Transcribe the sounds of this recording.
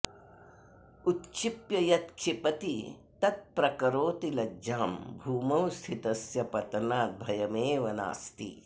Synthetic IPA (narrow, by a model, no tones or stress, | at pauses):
ut̪ʃʰipjɐjɐt̪̚ʃʰipɐt̪it̪ɐt̪̚pɾɐkɐɾoːt̪ilɐd͡ʒaːmbʱuːmɐwst̪ʰit̪ɐsjɐpɐt̪ɐnaːt̪̚bʱɐjɐmeːʋɐna̰ːst̪ḭ